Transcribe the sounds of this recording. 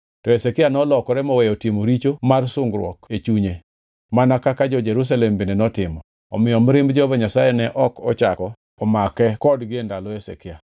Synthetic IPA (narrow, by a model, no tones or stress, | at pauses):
tɔesekɪanɔlɔkɔɾɛmɔwɛjɔtimoɾit͡ʃomarsʊŋɡɾwɔ̰ket͡ʃuɲe | manakakad͡ʒɔd͡ʒeɾus̬alɛmbendenɔtɪmɔ | ɔ̰mɪjɔmɾɪmbd͡ʒɔvɛɲasajɛnɛʔɔkɔt͡ʃakɔ | pɔmakɛkɔdɡɪendalɔesḛkɪa